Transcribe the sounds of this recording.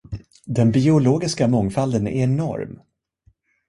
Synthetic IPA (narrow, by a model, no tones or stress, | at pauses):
d̪ɛnbɪʊloːɡɪskamɔŋfald̪ənɛ̰ɛnɔ̰ɾm